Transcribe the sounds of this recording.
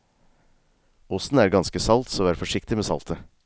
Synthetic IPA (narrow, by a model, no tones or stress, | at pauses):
ʊsn̩æːɾɡɑnskəsɑlt̪soːæːɾfɔʂɪkt̪ɪmeːsɑ̰lt̪ʰə